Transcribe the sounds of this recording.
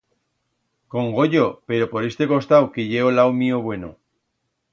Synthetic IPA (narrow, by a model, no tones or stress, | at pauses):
ko̞ŋɡo̞ʎope̞ɾo̞po̞ɾe̞st̪e̞ko̞st̪awkeʝe̞olawmioβwe̞no̰